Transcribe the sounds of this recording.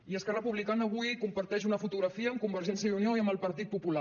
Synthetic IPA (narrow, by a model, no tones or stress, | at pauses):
iəskɛrəpuβlikanəːβ̞ujkumpəɾt̪ɛʃ̬unəfut̪uɣɾəfiəːmkumbəɾʒɛnsjəunioiəmbəlˠpəɾt̪it̪̚pupula